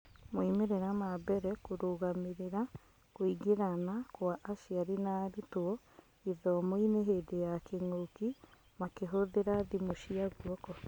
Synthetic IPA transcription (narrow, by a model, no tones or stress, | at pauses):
moimeɾeɾamabɛɾɛkoɾoɣameɾeɾa | koiɡeɾanakwaʔːʃiaɾinaɾitoɔ | iðɔmoineɦedejakeŋoki | makeɦoðeɾaðimoʃiaɣuɔkɔ